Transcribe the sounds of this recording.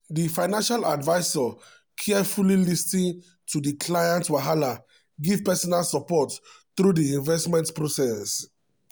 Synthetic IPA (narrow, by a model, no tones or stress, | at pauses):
difaɪnãnʃaladvaɪsɔ | kʰɛfulilistĩn | tʰudikʰlajãntwaɦala | ɡivpɛsɔnalsɔpɔtθɾudiĩnvɛstmɛ̃ntpɹosɛss